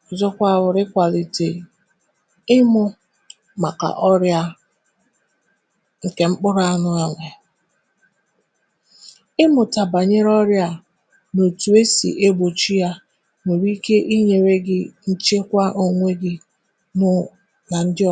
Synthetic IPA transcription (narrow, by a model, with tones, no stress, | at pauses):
ɔ˨zɔ˦kʷa˦˨wʊ˨ɾɪ˦kʷa˨li˨ti˨ | ɪ˦mʊ˦ | ma˨ka̰˨ʔɔ˦ɾja˦ | ŋ̩˨ke˨ŋ͡m̩˦k͡pʊ˦ɾa˦nʊ˦a˨ŋʷe˨ | ɪ˦mʊ˨ta˨ba˨ɲe˦ɾɔ˦ɾja˦ | no˨tu˨e˦sḭ˨ʔe˦bo˨t͡ʃi˦ja˦ | ne˨ɾi˦ke˦ʔi˦ɲe˨ɾe˦ɡɪ˦n̩˦t͡ʃe˦kʷa˦ʔo˨ŋʷe˦ɡɪ˦ | nʊ˦ | na˨n̩˦dɪ˦ɔ˦